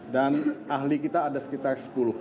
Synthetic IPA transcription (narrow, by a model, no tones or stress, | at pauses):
danaɦlikit̪aːdasə̥kit̪arsə̥pulʊh